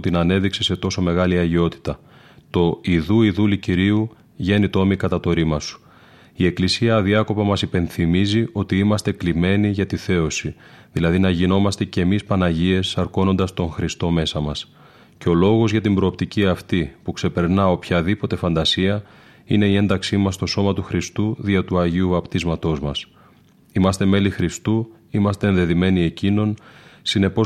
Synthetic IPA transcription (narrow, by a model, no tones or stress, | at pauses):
t̪inɐne̞ðikse̞se̞t̪o̞so̞me̞ɣɐliɐʝio̞t̪i̥t̪ɐ | t̪o̞iðuiðuliciɾiu | ʝe̞nit̪o̞mikɐt̪ɐt̪o̞ɾimɐsu̥ | ie̞klisiɐðiɐko̞pɐmɐsipe̞nθimizio̞t̪iimɐst̪e̞klime̞niʝɐt̪iθe̞o̞si | ðilɐðinɐʝino̞mɐst̪e̞ce̞mispɐnɐʝie̞sɐɾko̞no̞nd̪ɐst̪o̞ŋxɾist̪o̞me̞sɐmɐs | ceo̞lo̞ɣo̞zʝɐt̪imbɾo̞ːpt̪iciɐft̪ipukse̞pe̞ɾnɐo̞pçɐðipo̞t̪e̞fɐnd̪ɐsiɐ | ine̞ie̞nd̪ɐksimɐst̪o̞so̞mɐt̪uxɾist̪uðiɐt̪uɐʝiuvɐpt̪izmɐt̪o̞zmɐs | imɐst̪e̞me̞lixɾist̪u | imɐst̪e̞ːnðe̞ðime̞nie̞cino̞nsine̞po̞